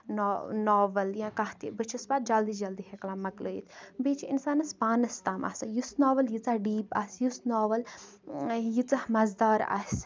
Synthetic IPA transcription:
nonoːʋɐljãkaht̪ḭbɨt͡ʃʰisbaːd̪̚d͡ʒɐld̪id͡ʒɐld̪iɦeklãːmɐkloːjḭt̪ʰbiːt͡ʃʰiinsaːnɐspaːnɐst̪aːma̰ːsajusnoːʋɐljit͡saɖiːpɐ̰sjusnoːʋɐl | jit͡sɐhmɐzd̪aːɾɐ̰sʲ

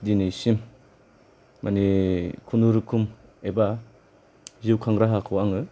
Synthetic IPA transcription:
dinisim | anikʰunuɾɯkʰum | eba | ziwkʰaŋɾaɦakʰɔwaŋɯ

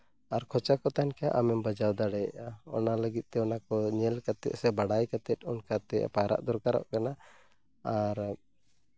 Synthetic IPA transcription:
aɾkʰɔt͡ʃakɔt̪ankaʔamɛmbad͡ʒawd̪aɽɛaɔ̰naləɡit̪̚t̪ɛɔnakɔɲɛlkat̪ɛ̰t̪̚sɛbaɽajkat̪ɛt̪̚ˀunkat̪ɛ̰pajɾa̰ʔd̪ɔɾkaɾa̰ʔkana | aɾ

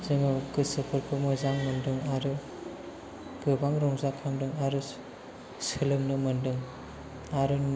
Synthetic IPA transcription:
zɯŋɯkɯsɯpʰɯɾpʰɯmɔjzaŋmɯndɯŋaɾɯ | ɡ̥ɯbaŋɾɔŋzakʰaŋdɯŋaɾɯ | sɯlɯmnɯmɯndɯŋ | aɾɯn

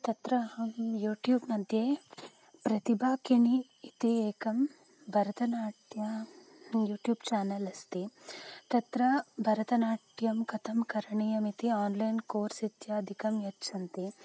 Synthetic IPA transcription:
t̪ɐt̪ɾɐɦɐmjuːʈjuːbnɐd̪ʱjeː | pɾɐt̪ibʱaːkiɳiː | t̪ieːkɐm | bʱɐɾɐt̪ɐnaːʈjɐ | juːʈjuːbt͡ʃaːnɐlɐst̪it̪ɐt̪ɾɐbʱɐɾɐt̪ɐnaːʈjɐmkɐt̪ʰɐmkɐɾɐɳijɐmit̪iaːnlɐjnkoːɾsit̪jɐɐd̪ʱikɐmjɐtːt͡ʃʰɐnt̪i

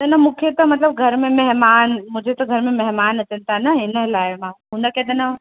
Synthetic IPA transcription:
t̪ɐnɐmũːkʰet̪ɐmɐt̪ləb̚ɡʱɐɾmẽmɐɦmaːnmʊ̃ːd͡ʑʱet̪ɐɡʱɐɾmẽmɐɦmaːnɐt͡ɕənɪ̆t̪ʰanɐɦɪnəɦlaːɪmãːɦũnəked̪ɐnɐ

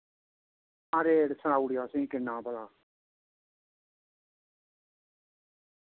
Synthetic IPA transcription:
ãːɾeːɾsəɳaːuɽɪjaːsĩːkɪnːãːpəlaː

